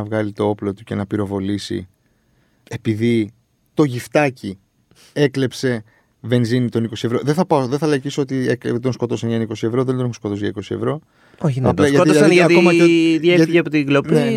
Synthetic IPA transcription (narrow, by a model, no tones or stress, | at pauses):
ɐvɣɐlit̪oo̞plo̞t̪uce̞nɐpiɾo̞vo̞lisḭ | e̞piði | t̪o̞ʝift̪ɐci | e̞kle̞pse̞ | ve̞nzinit̪o̞niko̞sievɾo̞ðeθɐpɐoðeθɐlecisoot̪iekd̪onsko̞t̪o̞seɲɐniko̞sie̞vɾo̞ðend̪o̞nexosko̞t̪o̞zʝɐiko̞sie̞̰vɾo̞ | oçnɐpɐʝɐt̪it̪ɐɐk̪omɐðjeiʝɐpot̪iɡlopnei